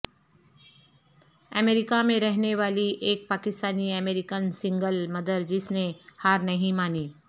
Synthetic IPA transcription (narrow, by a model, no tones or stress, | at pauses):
əmeːɾɪkamẽɾɛɦneʋaːliʔeːk̚paːkɪst̪aːniəmeːɾɪkənsɪ̃ŋɡəlmɐd̪əɾd͡ʒɪsnehaːɾnɐɦĩmaːniː